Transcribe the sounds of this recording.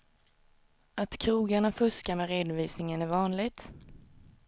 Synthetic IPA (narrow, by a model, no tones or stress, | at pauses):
at̪kʰɾuːɡaɳafɵskamɛɾeːd̪ʊviːsnɪŋənæɾvɑːnlɪɡt̪